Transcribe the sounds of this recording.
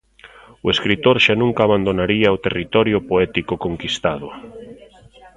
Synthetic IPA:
ʊeskɾit̪oɾʃanũŋkaːβand̪onaɾiɐot̪erit̪ɔɾjʊpoɛt̪ikokoŋkist̪aðʊ

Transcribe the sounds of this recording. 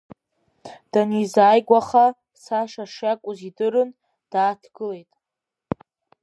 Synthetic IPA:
d̥anizaːjɡʷaχa | saʂaʂjakʷʼʊzidɨɾɨn | d̥aːtʰɡ̥ɨle̞jtʼ

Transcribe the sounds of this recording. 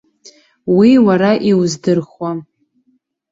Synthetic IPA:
wiwaɾaʔiwzdɨrχwa

